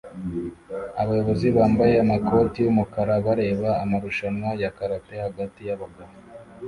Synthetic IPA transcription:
aβajo̞βo̞ziβaːmbaje̞amakʰo̞tijumukaɾaβaɾe̞ːβaːmaɾuʃanwajakaɾatehaɡatijaβaɡaɾo

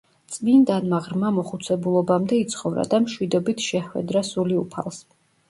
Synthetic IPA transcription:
t̪sʼmind̪anmaʁɾmamɔχut̪sʰɛbulˠɔbamd̪ɛit̪sʰχɔvɾa̰d̪amʃwid̪ɔbit̪ʰʃɛχwɛ̰d̪ɾasuliupʰa̰lˠs

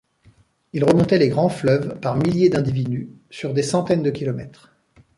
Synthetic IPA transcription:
ilʁəmɔ̃t̪ɛleɡʁɑ̃flœvpaʁmiljed̪ɛ̃d̪ivid̪ysyʁd̪esɑ̃t̪ɛnd̪əkʲilɔmɛt̪χ

